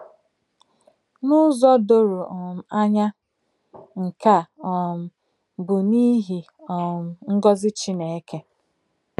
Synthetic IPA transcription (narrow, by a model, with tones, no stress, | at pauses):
nʊ˦zɔ˦do˦ɾu˨ɔ˨m̩˨a˦ɲa˦ | ŋ̩˨ka˨ɔ˨m̩˨ | bʊ˨ni˦ɦi˨ | ɔ˨m̩˨ŋ̩˦ɡɔ˦zɪ˦t͡ʃi˦ne˨e˦ke˦